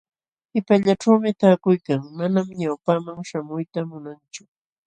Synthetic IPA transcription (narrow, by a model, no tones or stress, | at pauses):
ɪpaʎaʈ͡ʂawmɪt̪aːkʊjkaŋmanamɲawpaŋmaŋʃamʊjt̪amʊnant͡ʃʊ